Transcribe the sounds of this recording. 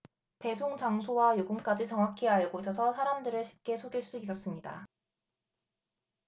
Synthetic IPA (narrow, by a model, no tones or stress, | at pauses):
pe̞sʰoŋt͡ɕaŋsʰowajoɡɯnk͈ad͡ʑit͡ɕʌŋɦwakʰeaɭɡois͈ʌsʰʌsʰaɾamdɯɾɯɭɕʰi̥p̚k͈e̞sʰoɡiɭs͈uis͈ʌs͈ɯmɲida̰